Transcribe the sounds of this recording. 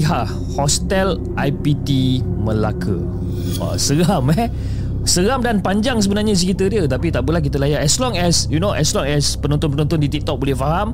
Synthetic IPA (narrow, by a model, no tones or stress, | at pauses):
iɦa | hɔst̪ɛl | ʔajpit̪imə̃lakʰə̰ | a̰səɾamɛ | səɾamdanpaɲd͡ʒaŋs̬əbənarɲas̬ikit̪ədiət̪apit̪aʔbulakit̪̬əlajaɛslɔŋɛsjunoʔɛslɔŋɛspənɔ̃nt̪ʊnpənɔnt̪ɔndit̪ik̚t̪ɔk̚bolɛhfaɦam